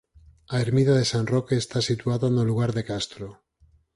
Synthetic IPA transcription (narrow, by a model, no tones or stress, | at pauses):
aeɾmiðaðe̞sanrokeːst̪asit̪uaðanoluɣ̞aɾðe̞kast̪ɾo